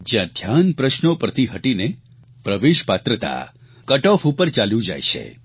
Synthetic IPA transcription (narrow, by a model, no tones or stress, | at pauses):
d͡ʒjãd̪ʱjanpɾəʃnopəɾt̪ʰiɦəʈine | pɾəʋeʃpat̪ɾət̪a̰ | kəʈɔfupəɾt͡ʃaljũd͡ʒa̰jʃḛ